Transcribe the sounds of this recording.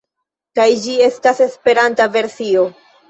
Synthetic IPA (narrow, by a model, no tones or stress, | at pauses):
kajd͡ʒie̞stase̞spe̞ɾantave̞ɾsio̞